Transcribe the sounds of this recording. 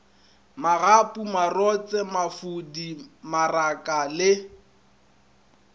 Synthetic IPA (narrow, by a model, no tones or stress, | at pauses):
maɣapʼumarɔt͡sʼɛmafudimarakʼalɪ